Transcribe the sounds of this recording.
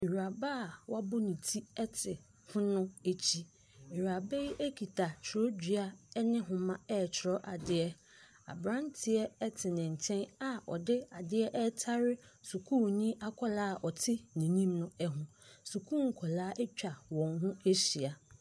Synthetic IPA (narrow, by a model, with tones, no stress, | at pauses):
i˨ɾa˨ba˦˨wa˦bʊ˦nĩ˨tʰi˦ɛ˦tʰɪ˨ | fʊ̃˦nʊ̃˦e˦t͡ɕʰi˦ | i˨ɾa˨be˦ji˦ʔe˦kʰi˨tʰa˨t͡ɕʰɪ˨ɾɔ˦d͡ʑᶣi˨a˦nɪ̃˦ɦʊ̃˨mã˦ɛ˦˨t͡ɕʰɪ˨ɾɔ˦ʔa˨dɪ˦ɛ˦ | a̰˨bɾã˦ntʰɪ˨ɛ˦ɛ˦tʰɪ˨nɪ̃˨ɲ̩˨t͡ɕʰɛ̃˦na˨ɔ̰˨dɪ˦a˨dɪ˦ɛ˦ʔɛ˦tʰa˦ɾɪ˦su˨kʰu˦˨nĩ˦ʔa˦kʰɔ˦laː˦˨ʔɔ˨tʰɪ˦nĩ˨nĩ˦mnʊ̃˦ɛ˦ɦʊ̃˨su˨kʰu˦ŋ̩˨kʰɔ˨laː˦ʔɛ˦t͡ɕᶣa˨wɔ̃˨ŋɦʊ̃˦e˦ɕi˨a˨